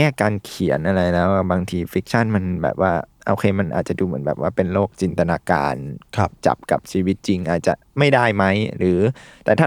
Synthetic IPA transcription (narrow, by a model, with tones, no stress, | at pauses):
ɛː˥˩kaː˧nkʰi˨˩˦ə˦nʔa˧ɾa˧jlɛː˦˥wbaː˧ŋt̪ʰiː˧fi˦˥k̚t͡ɕʰa˥˩nma˧nbɛ̰ː˨˩p̚waː˥˩ʔoː˧kʰeː˧ma˧nʔa̰ː˨˩t̪̚t͡ɕa˨˩duː˧mɯ˩˦nbɛː˨˩p̚waː˥˩pe˧nloː˥˩k̚t͡ɕi˧nt̪a˧naː˧ka̰ː˧nʰ˧p̚t͡ɕa̰˨˩p̚ka̰˨˩p̚t͡ɕʰiː˧wi˦˥t̪̚t͡ɕi˧ŋʔaː˨˩t̪̚t͡ɕa̰˨˩ma˥˩jda˥˩jma˦˥jɾɯː˩˦t̪ɛː˨˩t̪ʰa˥